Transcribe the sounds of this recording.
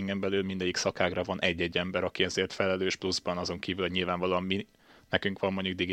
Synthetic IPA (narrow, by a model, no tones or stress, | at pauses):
ŋɡɛmbɛlyːlmind̪ɛɟiksɒkaːɡrɒvɒnʔɛɟːɛɟːɛmbɛɾɒkiɛzeːrt̪fɛlɛløːʃpluzbɒnɒzo̞ŋkiːvyloɟɲilvaːɱvɒloːɒmːi | nɛkyŋkʋɒmːoɲɟuɡ̚d̪iɡi